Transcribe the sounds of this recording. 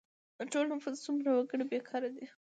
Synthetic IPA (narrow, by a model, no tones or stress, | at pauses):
ʈolnafuzsumɾawaɡəɽibekʰɑɾad̪i